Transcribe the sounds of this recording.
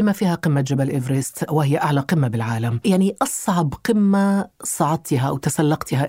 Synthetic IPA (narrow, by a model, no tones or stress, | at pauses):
ɪmafiːhaqɪmːad͡ʒabalʔɪvɾɪst̪wɪhɪjːaʔaʕlaqɪmːabɪlʕaːlamjaʕniʔɑsˤʕɑbqɪmːasˤɑʕɑd̪̚ˤt̪ɪɦaʔa̰wt̪asalːɑqt̪ɪɦa